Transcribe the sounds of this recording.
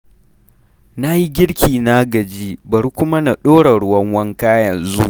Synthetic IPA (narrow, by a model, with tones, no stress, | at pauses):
na˦ji˦ɡʲɪ˦ɽkʲiː˨na˦ɡɐ˨d͡ʒiː˦bɐ˨ɾkʷʊ˦ma˦na˨ɗoː˦ɽa˨ɽʊ˦wɐ˦ŋwɐ˦ŋkaː˦jɐ˨nzṵ˦ʔ